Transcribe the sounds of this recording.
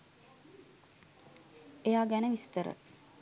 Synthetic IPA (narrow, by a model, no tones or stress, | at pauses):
eɑːɡænəmist̪əɾə̰t̪